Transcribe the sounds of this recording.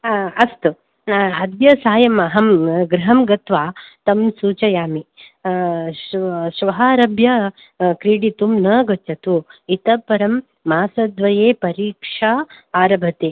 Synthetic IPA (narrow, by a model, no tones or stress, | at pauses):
ɐst̪u | ɐd̪jɐsaːjɐmɐɦɐmɡɾɐɦɐmɡɐt̪ʋaːt̪ɐmsuːt͡ʃɐjaːmi | ʃʋɐɦaːɾɐbʱjɐ | kɾiːɽit̪umnɐːɡɐt͡ʃːɐt̪uit̪ɐpɐɾɐmː | aːsɐd̪ʋɐjeːpɐɾiːkʂaːaːɾɐbʱɐt̪eː